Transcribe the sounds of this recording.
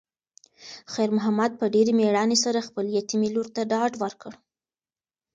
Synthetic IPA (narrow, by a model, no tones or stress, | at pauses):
xajɾmʊɦamad̪̚pəɖeɾemeɽɑnesaɾaxpəljat̪imiloɾt̪aɖɑɖwəɾkəɽ